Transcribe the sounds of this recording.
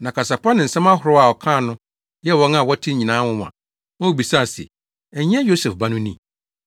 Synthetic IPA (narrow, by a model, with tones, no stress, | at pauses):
nã˨kʰa˨sa˨pʰa˦nɪ̃˨n̩˨sɛ̃˦mã˦ɦʊ˨ɾʊ˦a˨ɔ˨kʰã˦˨nʊ̃˦ | jɛ˦wɔ̃˦na˨wɔ˦tʰɪ˦ɲĩ˨nãː˨˦wʊ̃˦m˨ã̰˨ | ɔ̃˦˨bi˨sa˦˨sḛ˨ | ɛ˨ɲ˦ɛ̃˦jo˦sɛ˨fba˦nʊ̃˦nĩ˦